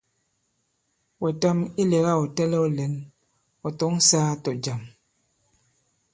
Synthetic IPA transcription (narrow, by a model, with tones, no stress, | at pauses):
wɛ˨ta˦mi˦le˨ɣa˦ɔ˨tɛ˦lɛ˦ɔ˦lɛ˨˦n | ɔ˨tɔ˨˦ŋ̩˦saː˦tɔ˨d͡ʒa˨m